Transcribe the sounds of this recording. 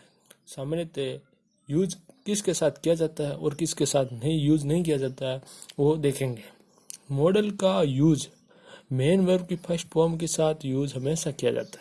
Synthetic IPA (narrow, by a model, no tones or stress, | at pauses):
saːmnet̪e | juːd͡ʒkɪskesaːt̪ʰkijad͡ʒaːt̪aɦɛɔːɾkɪskesaːt̪ʰnɐɦĩjuːd͡ʒnɐɦĩk̬ijad͡ʒaːt̪aɦɛʋod̪eːkʰẽːŋɡeː | mɔːɖəlkajuːd͡ʒ | meːnʋəɾbkipʰɐʃpoːmkesaːt̪ʰjuːd͡ʒɦɐmeːsakija̰d͡ʒa̰ːt̪ḁɛ